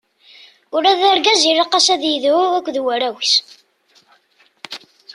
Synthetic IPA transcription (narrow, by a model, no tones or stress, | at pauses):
ʊɾæðæɾɡæzirːɑqːɑsæðjiðʊækʷːðwæɾæwis